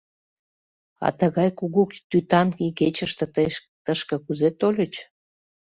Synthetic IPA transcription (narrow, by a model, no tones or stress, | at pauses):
ɑ̰t̪əɣɑjkuɣukt̪yt̪ɑnkiket͡ɕəʃt̪ə̆ | t̪əʃkə̆kuzet̪olʲət͡ɕ